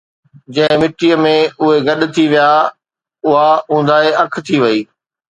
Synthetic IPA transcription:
d͡ʑɐ̃ɦɪ̃mɪʈijəmẽʊɦeɡɐɗ̆t̪ʰiʋija | ʊɦaũːnd̪aːeɐkʰt̪ʰiʋɐiː

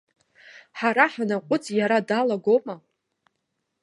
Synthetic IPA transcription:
ħaɾaħanaqʷʼʊt͡sʼjaɾadalaɡʷo̞ma

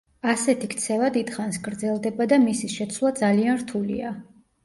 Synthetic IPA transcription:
asɛt̪ʰikʰt̪sʰɛvad̪id̪̥χansɡɾd̪zɛlˠd̪ɛbad̪amisiʃɛt̪sʰwlˠad̪zalianɾt̪ʰulḭa

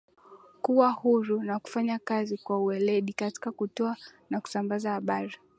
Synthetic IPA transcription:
kuwahuɾunaku̥faɲakazikwauwɛlɛɗikati̥kakutɔanaku̥sambazahaɓaɾa

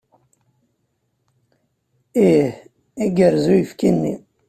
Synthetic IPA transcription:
ih | iɡəɾzujəfkinːḭ

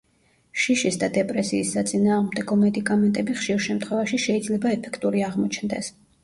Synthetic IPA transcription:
ʃiʃisd̪ad̪ɛpʼɾɛsiːsːat̪sʼinaːʁmd̪ɛɡɔmɛd̪ikʼamɛnt̪ʼɛbiχʃiɾʃɛmt̪χwɛvaʃiʃɛid̪zlɛbaɛpʰɛ̥kʰt̪ʼuɾiaʁmɔt͡ʃʰnd̪ɛ̰s

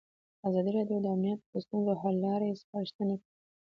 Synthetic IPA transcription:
azɑd̪iɾɑɖjod̪əamnijat̪̚p̪əst̪unzoɦɑlːɑɾespɑɾɪʃt̪ənek

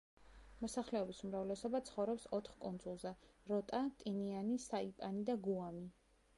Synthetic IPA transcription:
mɔsaχlɛɔbisumɾavlɛsɔbat̪sʰχɔvɾɔpsɔt̪ʰχkʼund̪zulˠzɛɾɔt̪ʼat̪ʼinianisaipʼanid̪aɡuami

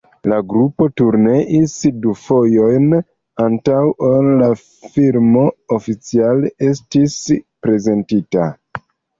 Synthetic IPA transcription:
laɡɾupo̞tuɾne̞ʔisdufo̞jo̞jn | antawonla | filmo̞ofit͡sialee̞stispɾe̞ze̞ntita

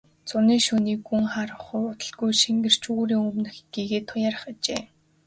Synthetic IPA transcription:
t͡sʊniːʃuniːɡuŋχaːɾə̆χʊjʊt̪ə̆ɮɡujʃiŋɡɘ̆r̥t͡ɕʰuɣuːɾiːŋɵmnɘ̆xɡ̥iːɣeːt̪ʰːʊjaːɾə̆χat͡ɕḛː

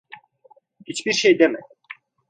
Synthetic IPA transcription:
hit͡ʃʰbiɾʃɛjd̪ɛmɛ

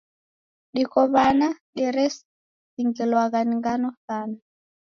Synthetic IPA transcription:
ɗikɔβanaɗɛɾɛs | iŋɡilwaɣaniŋɡanɔθana

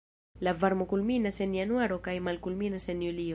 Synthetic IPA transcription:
lavaɾmo̞kulminase̞njanuaɾo̞kajmalkulminase̞njulio

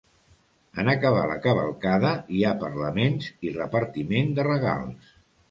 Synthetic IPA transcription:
ənəkəβ̞a̰lə̰kəβə̰lˠkaðəiapəɾləmenzirəpəɾt̪imend̪ərəɣa̰lˠs

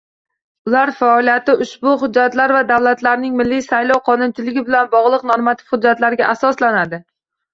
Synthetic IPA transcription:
ʊlaɾfaɒlijat̪ɪʔʊʃbʊhʊd͡ʒːat̪laɾvad̪awlat̪laɾnɪŋmɪlːijsajlɒwqʰɒnʊnt͡ʃʰɪlɪɡʲɪbɪlanbɒʁlˠɨqnoɾmat̪ʰɪ̥fhʊd͡ʒːat̪laɾɡʲaʔasɒslanad̪ɪ

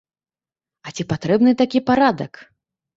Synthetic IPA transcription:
ɐt͡sʲipat̪ɾɛbnɨt̪akʲipaɾad̪ɐk

